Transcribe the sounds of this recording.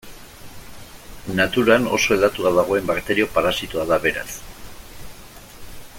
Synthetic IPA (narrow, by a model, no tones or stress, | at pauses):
nat̪uɾano̞̰so̞e̞ld̪at̪uaðaɣ̞o̞e̞mbakt̪e̞ɾio̞paɾasit̪uaðaβe̞ɾa̰s